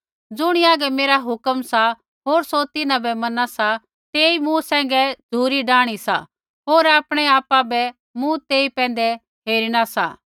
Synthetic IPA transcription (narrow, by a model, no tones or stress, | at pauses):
d͡zʊɽ̃iaːɡɛmeːɾaɦʊkəmsa | ɦoːɾsot̪ɪnãbɛmɐnasa | t̪eːimũsɛ̃ːŋ̆ɡɛd͡zʱuːɾiɖãːɽ̃isa̰ | ɦoːɾaːpɽ̃ɛaːpabɛ | mũt̪eːipɛ̃ːnd̪ɛ | ɦeːɾiɽ̃asa̰ː